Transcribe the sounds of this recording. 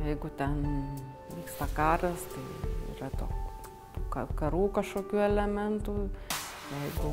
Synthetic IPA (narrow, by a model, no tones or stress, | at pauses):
jɛɪɡʊt̪ʲɛn | ʋʲiːkst̪ɐkɑːɾɐst̪ɐɪḭːrɐt̪oːk | t̪uːkɐkɐɾuːkɐʃkoːkʲuːɛlʲɛmʲɛnt̪uː | jɛɪɡʊ